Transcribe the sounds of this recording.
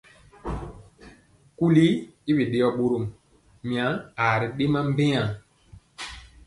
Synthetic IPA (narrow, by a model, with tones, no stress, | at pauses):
ku˦li˦i˦bi˨ɗe˦jɔ˦ɓo˦ɾo˦˨m | mĩ˨a˨˦a˨ɾi˨ɗe˦ma˦m˦bɛ˦a˨